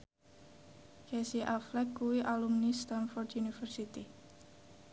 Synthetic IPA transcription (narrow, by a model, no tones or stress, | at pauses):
kɛsiʔaflɛkːuwiʔalumnist̪anfɔrd̪junifərsit̪i